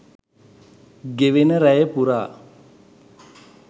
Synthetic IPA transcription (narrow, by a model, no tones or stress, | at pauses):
ɡeʋenəɾɛjəpuɾaː